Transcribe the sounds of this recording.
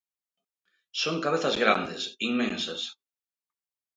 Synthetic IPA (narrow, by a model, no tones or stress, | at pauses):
soŋkaβ̞eθɐzɣɾa̰nd̪ɪsiŋmẽnsɐs